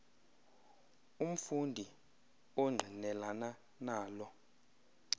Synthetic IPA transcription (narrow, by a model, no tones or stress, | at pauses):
um̩fundʱi | oŋ͡ǀʱinɛlana | naːlɔ